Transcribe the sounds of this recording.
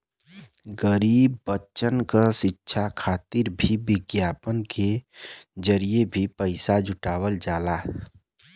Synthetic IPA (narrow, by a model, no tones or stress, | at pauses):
ɡəɾiːbːətːt͡ʃənkaʃɪtːʃʰakʰaːt̪iɾbʱibɪɡjaːpənke | d͡ʒəɾijebʱipəɪsad͡ʒʱʊʈaːwəld͡ʒaːla